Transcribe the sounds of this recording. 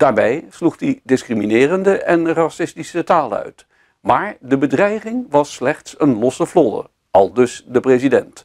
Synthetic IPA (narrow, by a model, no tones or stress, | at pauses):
d̥aːɹbɛjsluχdidɪskriminɪːrəndəʔɛnrɑsɪstisətaːləœ̰ɥt | maːɹdəbədrɛjχɪŋʋɑsːlɛχtsənlɔsəvlɔdə̰ | ɑlˠdɵsdəprezidɛnt